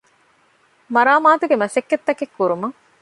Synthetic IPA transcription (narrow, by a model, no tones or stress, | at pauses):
mɐɾaːmaːt̪uɡemɐʃɐkːet̪ːɐkekːuɾumɐŋ